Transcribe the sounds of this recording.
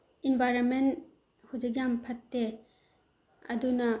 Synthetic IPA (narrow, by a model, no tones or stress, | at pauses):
inbʱajɾonmen | hud͡ʒik̬̚jampʰɐtːe | ɐ̰dunɐ